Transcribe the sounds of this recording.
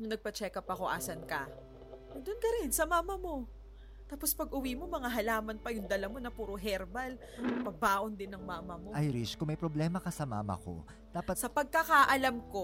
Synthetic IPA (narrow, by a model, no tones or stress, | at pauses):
nʊŋnɐɡ̚pɐt͡ʃɛːkɐpɐko̞ʔa̰ːsɐnkɐ | d̪onkɐɾɛnsɐmaːmɐmo̞ | t̪aːpo̞spɐɡʔʊwiːmo̞mɐŋaɦɐlaːmɐnpɐjʊŋd̪ɐlɐmo̞nɐpuːɾoɦɛɾbɐl | ɐɡpɐbaːʔo̞nd̪ɪnːɐŋmaːmɐmoʔajɾiskʊŋmɐjpɾoblɛmɐkɐsɐma̰ːmɐ̰ko̞̰ | d̪aːpɐtsɐpɐɡ̚kɐkaʔɐlɐmko̞